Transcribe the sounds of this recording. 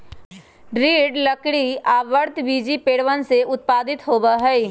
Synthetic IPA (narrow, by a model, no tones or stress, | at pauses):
ɖɾiːɖləkɽiaːʋəɾt̪ʋiːd͡ʒipeːɽʋənseʊt̪̚paːd̪ɪt̪ɦoːbəɦɛi